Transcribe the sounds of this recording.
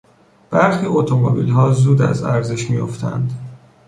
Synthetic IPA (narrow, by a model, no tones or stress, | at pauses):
b̥æɾxiːot̪ʰomobḭlɦɒːzuːd̪æ̰zæɾze̞ʃmijo̰ft̪ʰæ̰nd̪